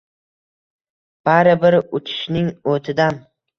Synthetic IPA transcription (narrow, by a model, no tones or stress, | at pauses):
b̥aɾɪbɪɾʊt͡ʃʰɪ̥ʃnɪŋot̪ʰɪd̪an